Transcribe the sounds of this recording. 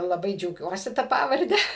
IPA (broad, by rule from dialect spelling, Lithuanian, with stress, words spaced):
lˠɐˈbɐɪ d͡ʒʲɛʊˈɡʲuɔsʲɪ ˈtɐ ˈpɑːʋɐrʲdʲɛ